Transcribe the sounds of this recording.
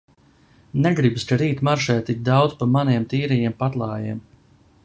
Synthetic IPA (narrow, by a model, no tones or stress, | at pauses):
nɛɡɾibskaɾiːt̪maɾʃɛːt̪ik̚d̪awd̪zpamaniɛmt̪iːɾɛjɛmpat̪lˠɑːjiɛm